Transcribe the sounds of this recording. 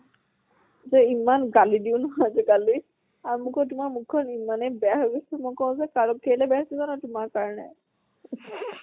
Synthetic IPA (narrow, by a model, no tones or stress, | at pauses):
zɛimanɡalidiʊnʊɦazɛɡali | aɹumʊkɔtʊmaɹmukʰːɔnimanɛbɛaɦoɡisɛmɔjkɔʊ̃zɛkaɹɔp̚kʰelɛbɛadizanɔtʊmaɹkaɹɔnɛ̰